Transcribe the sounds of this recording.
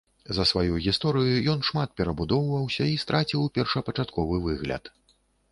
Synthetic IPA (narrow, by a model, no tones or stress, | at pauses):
zɐsvajuɣʲist̪ɔɾɨjujɔn̪ʂmat̪̚pʲɛɾɐbud̪ɔwvɐwsʲɐist̪ɾʔat͡sʲiwpʲɛrʂɐpɐt͡ʂat̪kɔvɨvɨɣlʲɐ̰t̪